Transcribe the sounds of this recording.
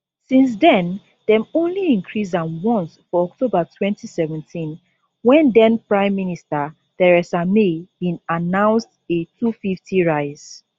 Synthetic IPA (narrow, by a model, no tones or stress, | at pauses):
sĩns̬dɛ̃n | dɛ̃mõnliĩŋkʰɹis̬ãnwɔ̃nsfɔɔktʰobətʰwɛ̃ntʰisɛvɛ̃ntʰĩn | wɛ̃ndɛ̃npɹãɪ̃mːinistə | tɛɹɛsamebĩnanãʊ̃nstetʰufiftʰiɹaɪz̥